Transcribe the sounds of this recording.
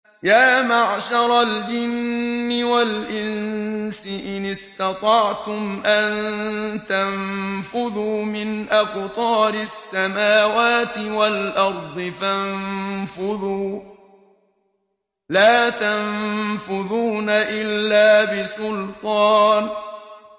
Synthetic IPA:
jaːmaʕʃɑɾˤɑld͡ʒɪnːɪwalʔɪnnsɪʔɪnɪst̪ɑt̪ˤɑʕt̪ʊmʔant̪anfʊðuːmɪnʔabt̪ˤɑːɾɪsːamaːwaːt̪ɪwalʔɑɾˤd̪ˤɨfanfʊðuː | laːt̪anfʊðuːnaʔɪlːaːbɪsʊlt̪ˤɑːn

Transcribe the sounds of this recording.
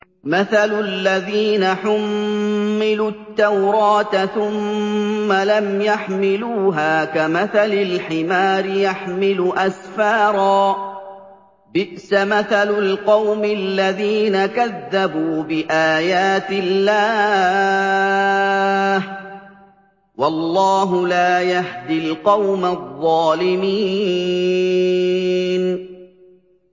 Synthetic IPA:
maθalʊlːaðiːnaħʊmː | ɪlut̪ːawɾˤɑːt̪θʊmː | alamjaħmɪluːɦaːkamaθalɪlħɪmaːɾɪjaħmɪluʔasfaːɾˤɑː | bɪʔsamaθalʊlqɑwmɪlːaðiːnakaðːabuːbɪʔaːjaːt̪ɪlːaː | h | wɑlːɑːɦʊlaːjahd̪ɪlqɑwmaðˤːɑːlɪmiː | n

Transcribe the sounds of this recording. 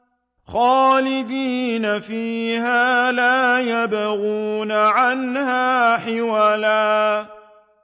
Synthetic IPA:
xaːlɪd̪iːnafiːhaːlaːjabaɣuːnaʕanhaːħɪwalaː

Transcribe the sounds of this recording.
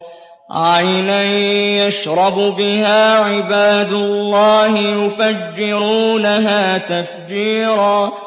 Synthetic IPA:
ʕajnajaʃɾˤɑbbɪhaːʕɪbaːd̪ʊlːɑːhɪjʊfad͡ʒːɪɾuːnaɦaːt̪afd͡ʒiːɾaː

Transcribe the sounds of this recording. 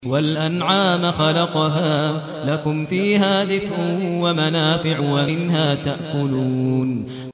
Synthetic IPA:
walʔanʕaːmaxɑlɑqɦaː | lakʊmfiːɦaːd̪ɪfʔʊwamanaːfɪʕwamɪnɦaːt̪aʔkʊluːn

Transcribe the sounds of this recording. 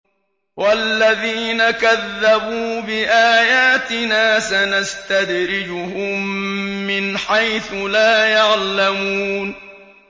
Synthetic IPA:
walːaðiːnakaðːabuːbɪʔaːjaːt̪ɪnaːsanast̪ad̪ɾɪd͡ʒʊɦʊmː | ɪnħajθʊlaːjaʕlamuːn

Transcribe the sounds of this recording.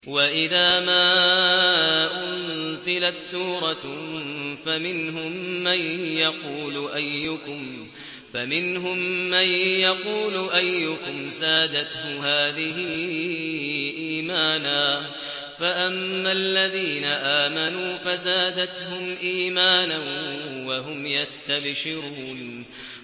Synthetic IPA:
waʔɪðaːmaː | ʔʊnzɪlat̪suːɾˤɑ | famɪnɦʊmːanjɑquːlʊʔajːʊkʊm | famɪnɦʊmːanjɑquːlʊʔajːʊkʊmzaːd̪at̪hʊɦaːðɪɦɪ | ʔiːmaːnaː | faʔamːalːaðiːnaʔaːmanuːfazaːd̪at̪hʊmʔiːmaːnanwaɦʊmjast̪abʃɪɾuːn

